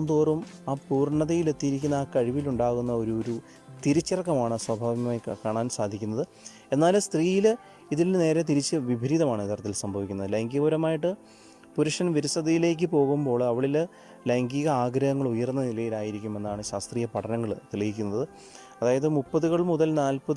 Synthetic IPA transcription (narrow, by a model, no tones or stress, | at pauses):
nd̪oːrumaːpuːrɳɐðɐjile̞t̪ːijɾikʲːunːɐaːkɐɻiʋiluɳɖaːɣunːɐo̞ɾuoɾu | t̪iɾit͡ɕːirɐkːɐmaːɳɨswɐbʱaːʋiɐmajkaːɳaːnsaːd̪ʱikʲːunːɐðɨ | e̞nːaːlst̪riːjil | iðilne̞ːɾe̞t̪iɾit͡ɕːɨʋibʱiɾiːðɐmaːɳɨit̪ːɐɾɐt̪ːilsɐmbʱɐʋikʲːunːɐðɨlɐŋɡiɣuːɾɐmaːjiʈ̬ːɨ | puɾuʂɐnɐʋiɾisɐd̪ɐjile̞ːk̬ʲːɨpo̞ːɣumbo̞ːɭɐʋiɭil | lɐŋɡiɣɐaːɡɾɐhɐŋːɐɭujɐrnːɐnilɐjilaːjiɾikʲːume̞nːaːɳɨɕaːst̪riːjɐpɐʈʰɐnɐŋːɐɭt̪iɭiɣikʲːunːɐðɨ | ɐðaːjɐðɨmupːɐðuɣɐɭmːuðɐlnaːlpɐð